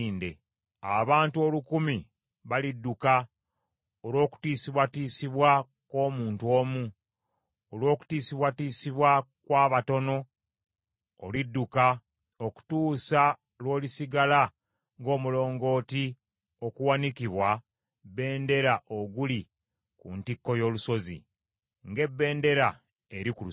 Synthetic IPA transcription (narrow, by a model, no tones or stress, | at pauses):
ndḛ | aβaːntuo̞lukumi | βalidːuka | olo̞ːku̥tiːsiβwatiːsiβwa | ko̞ːmuːntwo̞ːmu | olwo̞ːku̥tiːsiβwatiːsiβwakwaːβato̞no̞ | lidːuka | oku̥tuːsa | lwo̞ːlisiɡala | ŋɡo̞ːmulo̞ːŋɡo̞ːti | o̞kuwanikiβwa | be̞ːnde̞ɾaʔoɡuli | kṵntikːo̞jo̞luso̞zḭ | ŋɡe̞bːe̞ːnde̞ɾa | eɾikulu